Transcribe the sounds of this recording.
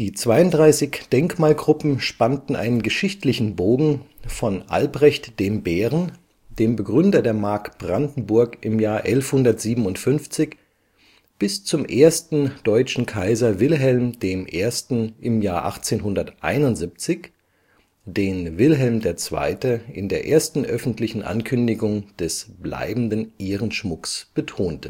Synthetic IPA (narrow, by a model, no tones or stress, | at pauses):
d̥iːt͡sv̥aɪʊntdʁaɪsɪçd̥ɛŋkmaːlɡʁʊpm̩ʃpantn̩ʔa̰ɪnənɡəʃɪçtlɪçn̩boːɡŋ̩fɔnʔa̰lbʁɛçtd̥eːmbɛːʁən | d̥eːmbəɡʁʏndɐdeːɐmaɐkb̥ʁandn̩bʊɐkʔɪmjaːɐʔɛlfhʊndɐtz̥iːbm̩ʊntfʏnft͡sɪç | b̥ɪst͡sʊmʔeːɐstn̩d̥ɔʏt͡ʃn̩kʰaɪzɐvɪlɦɛlmd̥eːmʔeːɐstn̩ʔɪmjaːɐʔa̰χt͡seːnɦʊndɐtʔa̰ɪnʊntz̥ip̚t͡sɪç | d̥eːnvɪlɦɛlmdeːɐt͡sv̥a̰ɪtəɪndeːɐʔeːɐstn̩ʔœfn̩tlɪçn̩ʔa̰nkʰʏndɪɡʊŋd̥ɛsb̥la̰ɪbn̩dənʔeːʁənʃmʊksb̥ətʰoːntə